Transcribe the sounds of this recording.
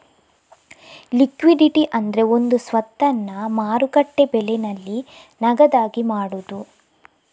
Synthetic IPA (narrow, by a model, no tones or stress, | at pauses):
likʋiɖiʈiʔɐnd̪ɐɾe̞o̞nd̪usʋɐt̪ːɐnːɐmaːɾukɐʈːe̞bɛlenɐlːinɐɡɐd̪aːɡimaːɽud̪u